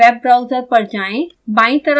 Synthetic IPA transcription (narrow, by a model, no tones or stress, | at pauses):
ɛːb̚ːɾaʊzəɾpəɾd͡ʒaːẽ | bãːĩt̪əɾə